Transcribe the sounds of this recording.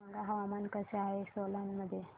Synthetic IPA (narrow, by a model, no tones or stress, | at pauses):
məŋɡaɦəʋamankəsəaɦesolanməd̪ʱje